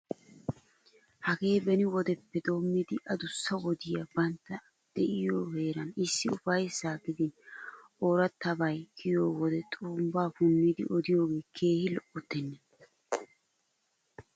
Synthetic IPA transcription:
hɐɡe̞ːbɛnɪwɔd̪ɛpːɛd̪o̞ːmːiːd̪ɪʔɐd̪ʊsːɐwɔd̪ɪjɐbɐnt̪ːɐ | d̪̥ɛʔɪjo̞ːhe̞ːɾɐnɪsːɪʊfɐjsaːɡɪd̪ɪ | oːɾɐt̪ːɐbɐjkʰɪjo̞ːwɔd̪ɛt̪ʼuːmbaːfʊnːiːd̪ɪ̰ʔɔd̪ɪjo̞ːɡe̞ːkʰe̞ːhɪlɔʔʊt̪ːɛnːɛ

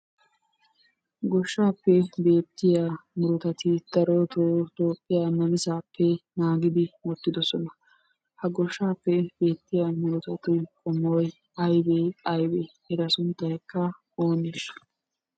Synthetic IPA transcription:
ɡɔʃːaːpːɛbe̞ːt̪ːɪjaːmʊɾʊt̪ɐt̪ɪd̪̥ɐɾɔt̪ot̪oːpʼːɪjamɐnɪzaːpʰːɛnaːɡɪd̪ɪmɔt̪ːɪd̪ɔsɔnɐ | hɐɡɔʃːaːpːɛbe̞ːt̪ːɪjamʊɾʊt̪ɐt̪ɪkʼɔmowj | ɐjbeːɐjbe | ɛɾɐsʊnt̪ːɐhɛkːɐ | o̞ːneːʃɐ̥

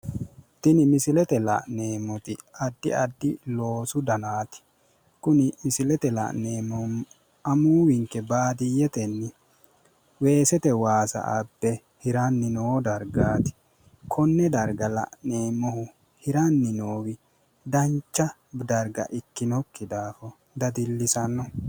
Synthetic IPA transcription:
t̪ɪnɪmɪsɪlɛt̪ɛlɐ̰ʔne̞ːmːɔt̪ɪɐd̪ːɪɐd̪ːɪlo̞ːsʊd̪ɐnaːt̪ɪ̥ | kʊnɪmɪsɪlɛt̪ɛlɐ̰ʔneːmːɔm | ɐmuːwɪŋkːɛbaːd̪ɪjɛt̪ɛnːɪ | we̞ːsɛt̪ɛwaːsɐ̰ʔɐbːɛ | hɪɾɐnːɪnoːd̪ɐɾɡaːt̪ɪ̥ | kʰɔnːɛd̪ɐɾɡɐlɐ̰ʔneːmːɔhʊ | hɪɾɐnːɪnoːwɪ | d̪ɐnt͡ʃːɐ | d̪ɐɾɡɐ̰ʔɪkːɪnɔkːɪd̪aːfɔ | d̪ɐd̪ɪlːɪsɐnːɔ

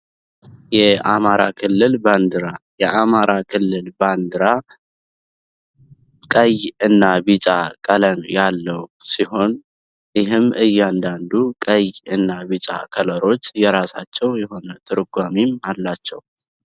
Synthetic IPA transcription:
jɛamaɾakʰɨlːɨlband̪ɨɾajɛʔamaɾakʰɨlːɨlband̪ɨɾa | kʼəjɨnːabit͡ʃʼakʼələnjalːəwsiɦo̞n | jɪɦɨmɨjːand̪and̪ukʼəjɨnːaβit͡ʃʼa̰kʰələɾo̞t͡ʃːjɛɾasat͡ʃːɛwjɛho̞nət̪ʰɨɾɨɡʷamimalːat͡ʃːɛw

